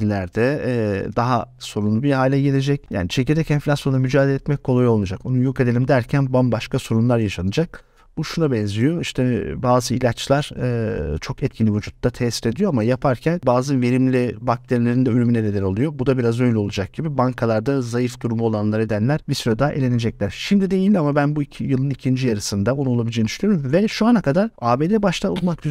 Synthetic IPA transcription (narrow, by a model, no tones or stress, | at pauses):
lʲæɾd̪ɛd̪aɦaso̞ɾunlˠubihaːlʲɛɟe̞lʲe̞d͡ʒɛcja̰ːnit͡ʃʰe̞cʰiɾd̪ɛcɛnflʲasjo̞namyd͡ʒaːd̪elʲɛt̪mɛc̚kʰolˠajo̞lˠnad͡ʒako̞nujoke̞d̪e̞lʲimd̪æɾcʰænbambaʃkaso̞ɾunlˠaɾjaʃanɯd͡ʒak̚ | buʃunabɛnzʲijo̞iʃt̪ʰɛbaːzɯilʲat͡ʃlˠaɾ̥ɯt͡ʃʰo̞kɛt̪̚cʰinʲːivud͡ʒut̪ːat̪ʰɛsiɾe̞d̪ijo̞amajapʰaɾcʰænbaːzɯve̞ɾimlʲibak̚t̪ʰeɾilʲe̞ɾind̪ɛylʲymyneɾelɛɾolˠujo̞bud̪abiɾazøjlʲɛo̞lˠud͡ʒak̚ɟibibaŋkʰalˠaɾd̪azajifd̪uɾumuolˠanlˠaɾed̪ænlʲæɾ̥bisyɾɛd̪aːʔelʲe̞ne̞d͡ʒɛclʲæɾ̥ʃimd̪id̪e̞jilʲamabænbuicʰjɯlˠɯnicʰind͡ʒijaɾɯsɯnd̪aonuolˠabid͡ʒend̪yʃlʲyjoɾumvɛʃuanakʰad̪aɾaːbe̞ːd̪ebaʃt̪ʰaolˠmak̚ɟy